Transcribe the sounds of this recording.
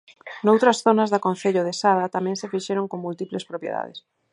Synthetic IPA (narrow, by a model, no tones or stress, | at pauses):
nowt̪ɾɐsθonɐzðakon̟θeʎoðesaðɐt̪amɛ̃ŋsɪfiʃɛɾoŋkoŋmult̪iplespɾopjḛða̰ðɪ̰s